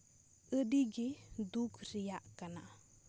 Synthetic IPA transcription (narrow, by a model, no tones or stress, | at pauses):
ʔədiɡidukʰɾijaʔkana̰